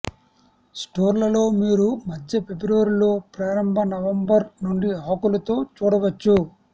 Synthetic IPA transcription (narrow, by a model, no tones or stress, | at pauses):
sʈoːɾlɐlo̞ːmiːɾumɐdːɐpe̞bɾuʋɐɾlo̞ːpɾaːɾɐmbʱɐnɐʋɐmbɐɾnuɳɖiɦaːkulɐt̪o̞ːt͡ʃuːɽɐʋɐt͡ʃːu